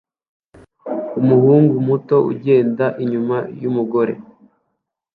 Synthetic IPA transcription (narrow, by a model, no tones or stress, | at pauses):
umuhuːŋɡumuto̞ṵɟe̞ːndaʔiɲumajumuɡo̞ɾḛ